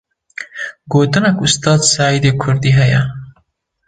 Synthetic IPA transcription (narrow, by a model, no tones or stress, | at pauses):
ɡoːt̪ɨnɐkust̪ɑːd̪sɑːjid̪eːkʰʊɾd̪iːɦɐjɐ